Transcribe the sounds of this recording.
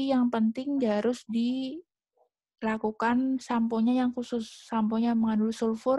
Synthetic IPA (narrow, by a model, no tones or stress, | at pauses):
jaŋpənt̪ɪŋd͡ʒaɾʊsdi | lakukansampoɲajaŋkusʊsːampoɲaməŋandʊlsulfʊr